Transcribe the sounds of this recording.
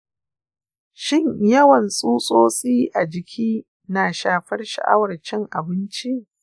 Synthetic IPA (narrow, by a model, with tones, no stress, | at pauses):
ʃɪ˦ɲjɐ˦wɐ˨nsʼuː˦sʼoː˦sʼiː˦ʔa˨d͡ʒɪ˨kʲʰiː˦ | naː˨ʃaː˨ɸɐ˦rʃa̰˨ʔa̰˦wɐ˨rt͡ʃɛ˦ŋʔa˨bɪ˦nt͡ʃi˦ʔ